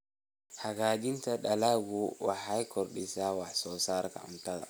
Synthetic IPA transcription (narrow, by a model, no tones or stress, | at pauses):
haɡad͡ʒintaɗalaɡuwa̰hajkʰɔɾɗisawasɔsaɾka̰a̰mtala̰